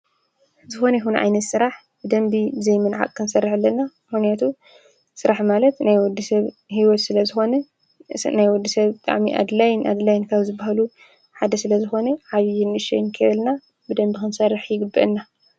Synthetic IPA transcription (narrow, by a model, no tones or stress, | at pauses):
zɨxo̞nɐjxunʕa̰jnɐt̪sɨɾaħ | bɨd̪ɐmbiɨzɐjmɨnʕa̰kʼkʰɨnsɐrːiħɨlːɐnːamɨxnijat̪ʰu | sɨɾaħmalɐt̪najwɔd̪isɐβhiwɔt̪sɨlɐzɨxo̞nɐ | najwɔd̪ːisɐβbɨt̪ʼa̰ʕmiʔa̰d̪lajnʔa̰d̪lajɪnkʰaβzɨbahalu | ħad̪ɐsɨlɐzɨxo̞nɐʕaβijɪnɨʃɛjnkʰɨʔɨlna | bɨd̪ɐmbixɨnsɐrːɨħjɪɡɨbːɨʔɨnːa